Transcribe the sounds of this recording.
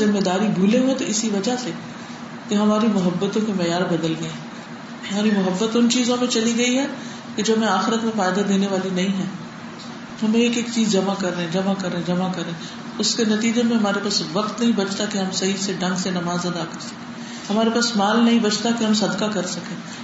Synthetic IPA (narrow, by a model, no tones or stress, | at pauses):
zɪmːed̪aːɾibʱuːleɦuẽt̪oɪsiʋɐd͡ʒase | keɦɐmaːɾimʊɦəbːət̪õkemɛːjaːɾbɐd̪əlɡɐẽː | ɦɐmaːɾimʊɦəbːət̪ʊnt͡ʃiːzõmẽt͡ʃɐliɡɐiɦɛː | ked͡ʒoːɦɐmẽaːxɪɾət̪mẽfaːɪd̪ad̪eːneʋaːlinɐɦĩɦɛː | ɦɐmẽeːkeːkt͡ʃiːzd͡ʒɐmakɐɾːɐɛ̃d͡ʒɐmakɐɾẽd͡ʒɐmakɐɾẽː | ʊskenɐt̪iːd͡ʒemẽɦɐmaːɾepaːsʋɐqt̪nɐɦĩbɐt͡ʃʰt̪akeɦɐmsɐɦiseɖɐ̃ŋɡsenɐmaːzɐd̪akɐɾsɐ̥kẽː | ɦɐmaːɾepaːsmaːlnɐɦĩbɐt͡ʃt̪akeɦɐmsɐd̪kakɐɾsɐkẽː